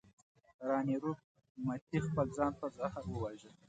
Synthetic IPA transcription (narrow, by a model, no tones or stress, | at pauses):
ɾɑniɾu | mat̪ixpəld͡zɑnpəzahaɾwəwaʒəl